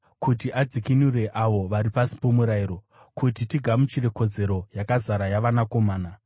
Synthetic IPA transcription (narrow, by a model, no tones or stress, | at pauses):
kutiʔad͡zikinure̞ʔaʋo̞ʋaɾipasi̥po̞muɾaiɾo̞ | kutitiɡʱamut͡ʃire̞ko̞d͡ze̞ɾo̞jakazaɾajaʋanako̞maːna